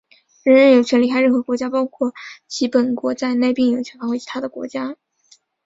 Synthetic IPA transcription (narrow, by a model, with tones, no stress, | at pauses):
ɻə˧˥nɻə˧˥njo˨˩t͡ɕʰɥɛ˧˥nli˧˥kʰa˥ɪɻə˥˩xɤ˧˥kwɔ˧˥t͡ɕja˥pɑ˥ʊkʰwɔ˥˩t͡ɕʰi˧˥pə˨˩nkwɔ˧˥t͡sa˥˧ɪne˥˧ɪpi˥˩ŋjo˨˩ʊt͡ɕʰɥɛ˧˥nfa˥xwt͡ɕʰi̥˧˥t̪ʰa˥d̪ə˨˩kwɔ̰˧˥t͡ɕja˥